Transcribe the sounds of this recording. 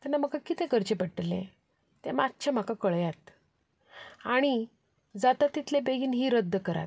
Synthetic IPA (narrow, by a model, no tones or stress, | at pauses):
t̪anːaməɡakit̪ẽkəɾt͡ɕepəɽʈlːḛ̃ | t̪emat̪t͡ɕʰam̤akakəɭjat̪ | aɽ̃i | d͡zat̪at̪ːit̪lebeɡiːnɦiːɾəd̪ʱːəkəɾa̰t̪